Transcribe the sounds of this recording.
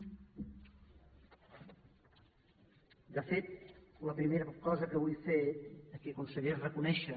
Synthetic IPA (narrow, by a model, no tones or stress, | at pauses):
d̪əfet̪ləpɾimeɾəkɔzəkəβujfekiəkunsəɣɛɾrəkunɛʃə